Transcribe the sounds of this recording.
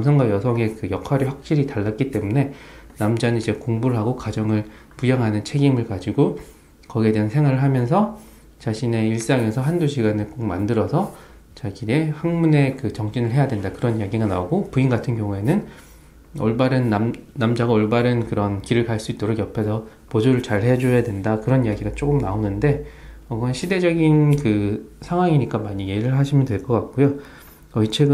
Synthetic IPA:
namsʰʌŋɡwajʌsʰʌŋe̞kɯjʌkʰwaɾiɸwak̚ɕ͈iɾitaɭːat̚k͈it͈e̞mune̞namd͡ʑanɯnid͡ʑe̞koŋbuɾɯɦaɡokad͡ʑʌŋɯɭ | pujaŋɦanɯnt͡ɕʰe̞ɡimɯɭkad͡ʑiɡo | kʌɡiedweansʰeŋwaɾɯɭɦamjʌnsʰʌ | t͡ɕaɕʰine̞iɭs͈aŋe̞sʰʌɦanduɕʰiɡanɯk͈ok̚mandɯɾʌsʰʌ | t͡ɕaɡie̞haŋmune̞kɯt͡ɕʌŋd͡ʑinɯɭɦe̞jadwe̞ndakɯɾʌnjaɡiɡanaoɡopuinɡatʰɯnkjʌŋue̞nɯn | ʌ̰ɭbaɾɯnːamːamd͡ʑaɡaʌɭbaɾɯnkɯɾʌnkiɾɯɭkaɭs͈uit͈ʌɾoɡjʌpʰe̞sʰʌ | pod͡ʑoɾɯɭt͡ɕaɭɦe̞ad͡ʑojadwe̞ndakɯɾʌnijaɡiɡat͡ɕ͈ok͈ɯmnaonɯnde̞ʌɡɯʌnɕʰide̞d͡ʑʌɡinkɯsʰaŋɦwaŋiɲik͈amaɲijeɾɯɭɦaɕʰimjʌntweɭk͈ʌk͈ak̚k͈ojo | ʌit͡ɕʰeɡɯ

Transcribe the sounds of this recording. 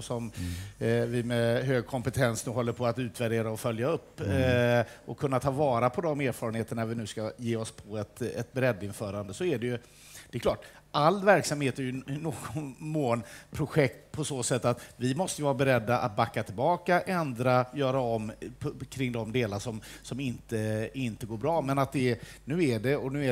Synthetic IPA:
sɔm | vɪmɛɦøːɡ̚kʰɔmpɛt̪ʰɛnsnʉɦɔlːəɾpʰɔat̪ʉ̟ːt̪væɖeːɾaɔfœljaɵpː | ʔɔkʰɵnːat̪ʰɑːvɑːɾapʰɔd̪ɔmeːɾfɑːɾənheːt̪əɳaɾvɪnʉ̟ːskajeːɔspʰɔɛt̪ɛt̪̚bɛɾɛd̪ːɪnfœːɾand̪əsɔæɖɛjɵ | d̪̥ɛkʰlɑːʈ | alːvæɾksamheːt̪æɾjɵnoːɡɔnmoːnpʰɾʊɧɛk̚t̪̚pʰɔsoːsɛt̪ːat̪vɪmɔst̪əjvɑːɾabɛɾɛd̪ːaʔa̰t̪̚bakːat̪ʰɪlbɑːkaʔɛnd̪ɾajœːɾaɔmːʰkʰɾɪŋːd̪ɔmd̪eːlaʂɔmsɔmɪnt̪əɪnt̪əɡoːɾbɾɑːmɛnat̪̚d̪ɛnʉ̟ːæɖɛɔnʉ̟ːæ

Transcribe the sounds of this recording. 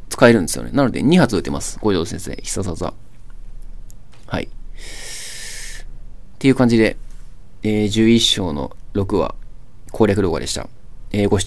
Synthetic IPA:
t͡sɨ̥kae̞ɾɯ̃nd̪e̞sɨjone̞̰nano̞d̪e̞̰ɲ̟iɦat͡sɨɯ̟t̪ːe̞masɨ̥ɡ̥o̞ʑo̞ːsẽ̞ɰse̞̰ːçi̥sazaza̰ | ha̰ḭ | t̪e̞iɯ̟kãɲ̟d͡ʑid̪e̞ | eːd͡ʑɨːiɕːo̞ːno̞̰ɾo̞kɯ̟βa̰ | kʰo̞ːɾʲak̬ɯɾo̞ːɡa̰e̞ɕi̥t̪a̰ | eːɡo̞ɕ

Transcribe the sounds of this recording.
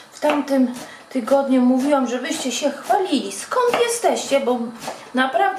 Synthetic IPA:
ft̪amt̪ɘm | t̪ɘɡɔd̪ɲumuvʲiwamʐɛbɘɕt͡ɕɛɕɛxfalʲilʲiskɔnt̪jɛst̪ɛɕt͡ɕɛbɔnapɾavd̪

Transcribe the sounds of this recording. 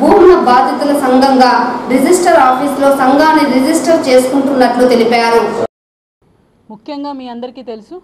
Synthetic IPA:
bʱuːmnɐbaːd̪ʱjɐt̪ɐlɐsɐŋɡɐŋɡaːɾid͡ʒisʈɐɾaːpʰiːslo̞ːsɐŋɡaːniɾid͡ʒisʈɐɾt͡ʃe̞ːsu̥kuɳʈunːɐʈlut̪e̞lipaːɾu | mukʰjɐŋɡaːmiːɐnd̪ɐɾikiːt̪elusu

